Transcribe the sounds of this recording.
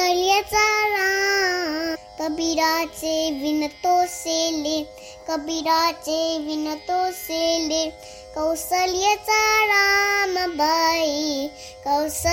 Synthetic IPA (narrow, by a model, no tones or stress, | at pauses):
ɐljɐt͡saɾaː | kɐbiɾaːt͡ʃeʋɪnɐt̪oːsele | kɐbiɾaːt͡ʃeʋɪnɐt̪osele | kɐwsɐljɐt͡saɾamɐbʱaːi | kɐws